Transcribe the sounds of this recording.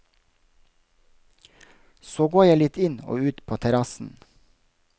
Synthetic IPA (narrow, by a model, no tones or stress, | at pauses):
soːɡoːjæɪlɪt̪ɪno̰ːʉːt̪pʰoːt̪ʰɛɾɑsn̩